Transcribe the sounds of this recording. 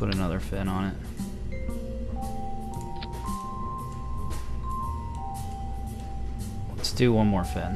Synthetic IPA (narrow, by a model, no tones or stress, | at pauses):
ʊɾɨnʌðə˞fɛ̃nə̃nɪt̚ | tʰdɨwʌ̃nmɔɹfɛ̃n